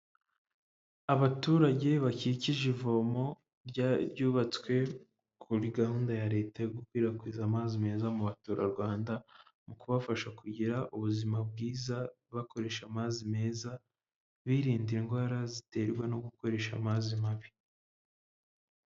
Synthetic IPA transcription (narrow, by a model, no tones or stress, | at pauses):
aβatuːɾaɟe̞βaciciʒivo̞mo̞ | ɾɟaɾɟuːβat͡skwe̞ | kʰuɾiɡahuːndajaɾe̞ːtaɡukwiːɾakwiːzamazime̞ːzamuβatuːɾa̰ɾɡwaːndamukuβafaʃakuɟiɾaʔuβuzimab̚ɡiːza | βako̞ɾe̞ʃamazime̞ːza | βiɾiːndiŋɡwaːɾazite̞ɾɡweno̞ɡuko̞ɾe̞ʃa̰mazimaβi